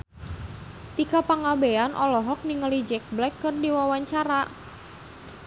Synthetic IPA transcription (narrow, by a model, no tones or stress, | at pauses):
t̪ikapaŋabeanʔɔlɔɦɔk̚niŋəlid͡ʒɛk̚blɛkːərdiwawaɲt͡ʃaɾa